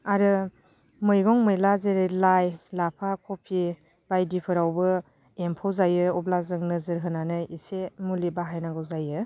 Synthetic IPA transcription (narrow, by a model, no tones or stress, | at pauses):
aɾɯ | mɯjɡɔŋmɯjlazɯɾɯlajlapʰakʰɔpʰi | b̥ajdipʰɯɾawbɯ | empʰawzajɯɔblazɯŋnɯzɯɾɦɯnanɯisemulibaɦajnaɡɯwzajɯ